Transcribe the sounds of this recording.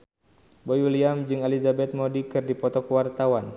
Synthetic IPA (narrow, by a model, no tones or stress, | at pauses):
bojuliamd͡ʒɨŋalizabɛt̪̚modikɨrdipɔt̪ɔkwart̪awan